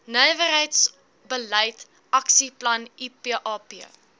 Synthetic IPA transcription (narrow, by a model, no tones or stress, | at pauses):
nəjvərɦəjts | bəlɛjt | ʔɐksiplɐnipiʔɑːpiə